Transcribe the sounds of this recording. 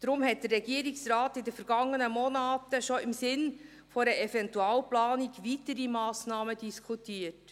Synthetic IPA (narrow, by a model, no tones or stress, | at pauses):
d̥̪ɾʊmhɛt̚d̥ərːɛɡiəɾiksraːtɪdəfəɾɡ̥ɑŋːənəmɔnaːtəʃoɪmsɪn | fɔɾəʔɛfɛntuaːlplɑːniɡʋitəɾimɑːsnɑːməd̥iskʰutiːət